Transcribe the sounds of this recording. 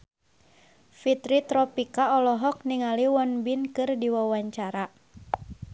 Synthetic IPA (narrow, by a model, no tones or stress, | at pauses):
fit̪ɾit̪ɾɔpikaɔlɔɦɔk̚niŋaliwɔnbinkɨrdiwawaɲt͡ʃaɾa